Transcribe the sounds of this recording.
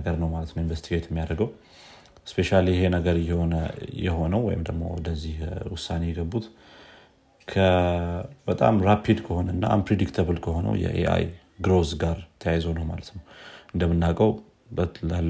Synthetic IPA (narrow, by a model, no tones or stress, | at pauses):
əɡəɾnəwmalət̪nəwinvəst̪ʰiɡet̪jɛmːijad̪əɡəw | spʰe̞ʃalijɛɦenəɡəɾjɛho̞nəjɛ̰ho̞nəwwɔjɪmd̪əɡmo̰wɔ̰d̪əzːihwʊsːane̞jɛɡəbːut̪ | kʰə | bət̪ʼa̰mɾapʰid̪kʰəho̞nəɨnːa̰a̰npʰɾed̪ikt̪ʰəβɨlkʰəho̞nə̰wjɛ̰ʔḛʔa̰j | ɡɾozɡaɾt̪ʰəjajzonəwmalət̪nəwʔɨnd̪əmːɨnːakʼəw | bəlalː